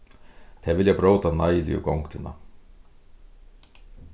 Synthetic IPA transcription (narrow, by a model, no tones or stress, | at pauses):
θʰɛvɪljɛpɾoːwt̪anaːjɪlɪ̰jʏ̰ko̰wŋkt̪ʰɪnːa̰